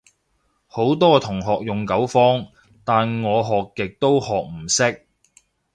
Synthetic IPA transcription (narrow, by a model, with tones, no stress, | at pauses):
ho˨˥wt̪ɔː˥t̪ʰʊ˨˩ŋɦɔː˨k̚jʊ˨ŋkɐ˨˥wfɔː˥ŋ | t̪aː˨nŋɔː˨˧ɦɔː˨kːɪ˨k̚t̪o˥whɔː˨k̚m̩˨˩sɪ˥k̚